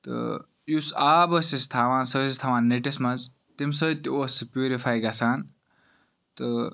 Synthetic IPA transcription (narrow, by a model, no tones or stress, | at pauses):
t̪ɨ̰ | jusaːbəsist̪ʰaːʋãːnsəsist̪ʰaːʋãːnːeʈismɐnz | t̪imsət̪ʲiospjuːɾifaːjɡɐsaːn | t̪ɨ